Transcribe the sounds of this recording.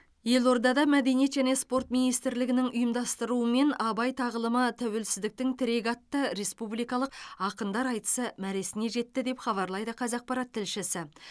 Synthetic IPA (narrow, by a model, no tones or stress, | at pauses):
je̞lˠo̞ɾd̪ɑd̪ɑmæd̪e̞nijet̪ʒæne̞spo̞ɾt̪minijst̪ɪɾlɪɡʲɪnɪŋʊjəmd̪ɑst̪əɾuəme̞nɑbɑjt̪ʰɑʁəlˠəmət̪ʰæwe̞lsɪzd̪ɪk̚t̪ɪŋt̪ʰɪɾe̞ɡʲɑt̪ːəɾe̞spublijkɑlˠəqɑqənd̪ɑɾɑjt̪ə̥səmæɾe̞sɪne̞ʒe̞t̪ːɪd̪e̞pχɑβɑɾlˠɑjd̪əqʰɑzɑq̚pɑɾɑt̪ʰːɪlʃɪsɪ